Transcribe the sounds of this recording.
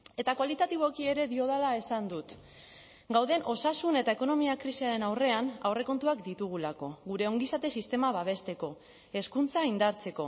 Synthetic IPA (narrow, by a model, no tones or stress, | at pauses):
e̞t̪akwalit̪at̪iβ̞o̞kie̞ɾe̞ðio̞ð̞alae̞sand̪ut̪ | ɡawðe̞nʔo̞sasune̞t̪ae̞ko̞no̞miakɾisiaɾe̞nawre̞anawre̞ko̞nt̪uakd̪it̪uɣ̞ulako̞ɣuɾe̞o̞ŋɡisat̪e̞sist̪e̞maβaβ̞e̞st̪e̞ko̞ | e̞skunt͡saind̪aɾt͡se̞ko̞